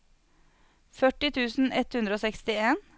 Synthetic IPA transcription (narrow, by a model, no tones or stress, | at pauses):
fœʈɪt̪ʰʉːsn̩ɛt̪hʉnd̪ɾəoːsɛkst̪ɪeːn